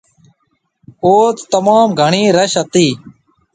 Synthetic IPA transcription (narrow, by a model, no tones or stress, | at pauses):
oːt̪ːəmaːmɡʱəɳiːɾəʃət̪iː